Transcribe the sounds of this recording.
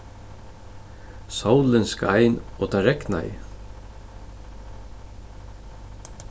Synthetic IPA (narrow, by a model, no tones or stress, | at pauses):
sawlɪnskajnɔt̪ʰaɾɛkna̰j